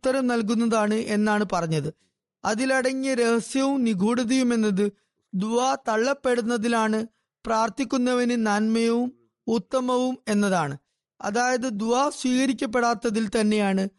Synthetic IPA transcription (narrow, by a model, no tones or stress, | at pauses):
t̪ːɐɾɐmnɐlk̬unːɐðaːɳɨʔe̞nːaːɳɨpɐrɐɲːɐðɨ | ɐðilɐɽɐŋːɐɾe̞hɐsjɐʋumniɡʱuːɽɐðɐjume̞nːɐðɨ | d̪uaːt̪ɐɭːɐpːe̞ɽunːɐðilaːɳɨ | praːrt̪ikʲːunːɐʋɐnɨnɐnmɐjɐʋum | ut̪ːɐmɐʋume̞nːɐðaːɳɨ | ɐ̰ðaːjɐðɨd̪uaːsʋiːɣɐɾikʲːɐp̬ːe̞ɽaːt̪ːɐðilt̪ɐnːe̞jaːɳɨ